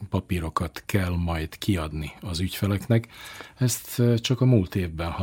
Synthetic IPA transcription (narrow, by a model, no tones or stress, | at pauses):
pɒpiɾo̞kɒt̪kɛlmɒjd̪kʰiɒd̪niɒzycfɛlɛknɛkɛst̪t͡ʃɒkɒmult̪eːvbɛnhɒ